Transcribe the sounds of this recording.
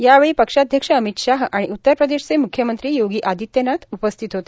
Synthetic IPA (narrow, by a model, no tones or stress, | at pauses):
jaʋeɭiːpəkʂad̪ʱjəkʂəəmit̪ʂaɦʔaɽ̃iʔut̪ːəɾpɾəd̪eɕt͡semukʰjəmənt̪ɾiːjoɡiːʔad̪it̪jənat̪upəst̪ʰit̪ɦot̪e̥